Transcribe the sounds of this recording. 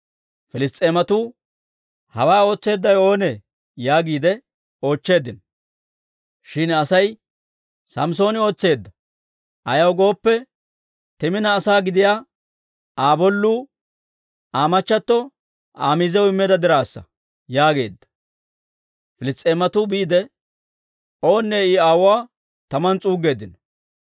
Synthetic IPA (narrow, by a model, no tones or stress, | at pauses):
fɪlɪst̪ʼːeːmɐt̪uː | hɐwaːo̞ːt͡sːe̞ːd̪ːɐjo̞ːnɛ | jaːɡiːd̪ɛ | o̞ːt͡ʃːe̞ːd̪ːɪn | ʃɪnɐsɐj | sɐms̬o̞ːnɪo̞ːt͡sːe̞ːd̪ːɐ | ʔɐjɐwɡo̞ːpːɛ | t̪ɛmɪnɐːsaːɡɪd̪ɪjaː | aːbɔlːuː | aːmɐt͡ʃːɐt̪ːɔ | a̰ːmizɛwʊɪmːeːd̪ɐd̪ɪɾaːsːɐ̰ | jaːɡe̞̰ːd̪ːɐ̥ | fɪlɪst̪ʼːeːmɐt̪ubiːd̪ɛ | o̞ːnːeːɪaːwʊwaː | t̪ɐmɐnt͡sʼuːɡe̞ːd̪ɪn